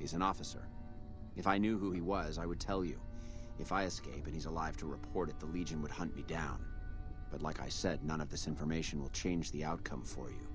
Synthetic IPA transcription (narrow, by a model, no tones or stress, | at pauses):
hizɨ̃nɔfəsə̰˞ | ʔɨfaɪnjʉɦuiwʌzaɪwɨd̚tʰɛlˠjʉ̰ɨfaɪɨskeɪpɨ̃nizəlaɪv̥tʰəɹɨpʰɔɹɾɨt̪̚ðəlid͡ʒɨ̃nwəd̚hʌ̃nʔmidãʊ̃nb̥ʌtˡlaɪka̰ɪsɛdⁿnʌ̃ñʌvðɪsɪ̃ɱfə˞meɪʃɨ̃n̩wə̰lˠt͡ʃʰẽɪ̃nd͡ʒðiaʊt̚kʰʌ̃ɱfə̰˞jʉ̰